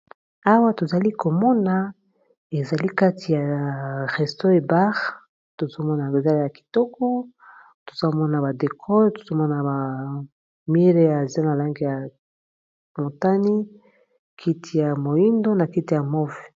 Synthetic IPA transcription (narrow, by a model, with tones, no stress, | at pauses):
a˦wa˦to˨za˨li˦ko˨mɔ˦na˨ | e˨za˨li˦ka˦tʰi˨ja˨ʁɛ˨sto˦e˨ba˦ʁ | to˨zo˦mɔ˦na˨e˨za˦li˦ja˨ki̥˨tɔ˦kɔ˦ | to̥˨z̥a˦mɔ˦na˨ba˨de˨kʰɔ˦to̥˨zo˦mɔ˦na˨ba˨ | mi˦ʁe˦ja˨za˦na˨la˦ŋɡi˨ja˨ | mo˨ta˦ni˦ | kʰi˦ti˨ja˨mo˨i˦ndo˦na˨ki˦ti˨ja˨mɔ˦v